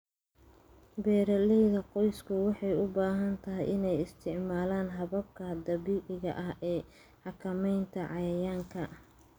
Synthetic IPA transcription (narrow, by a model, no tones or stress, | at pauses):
bɛːɾɐlɛjðɐqɔjskʰʊwɑħɑjʊbaːɦɐnt̪ʰɐɦɪjɪnɛjɪst̪ʰɪʕmaːlaːnɦɐβɐb̚kʰɐd̪ɐβiːʕɪɣɐ̰ʔɐɦɛː | ħɑkʰɐmɛjnt̪ʰɐʕɑjaːŋkʰɐ